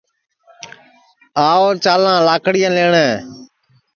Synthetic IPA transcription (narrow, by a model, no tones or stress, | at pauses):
aːoːt͡ʃaːlãːlaːkɽɪjãːleːɳeː